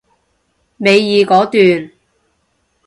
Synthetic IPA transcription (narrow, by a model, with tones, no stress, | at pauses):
me˨˧jːiː˨˧kɔː˨˥t̪yː˨n